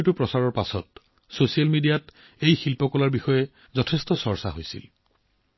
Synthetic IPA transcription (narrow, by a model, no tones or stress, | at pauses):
tupɹɔsaɹɔɹpasɔt̚ | sosialmidijat | ejxilpɔkɔlaɹbixɔjɛ | zɔtʰestɔsɔɹsa̰ɦojsḭl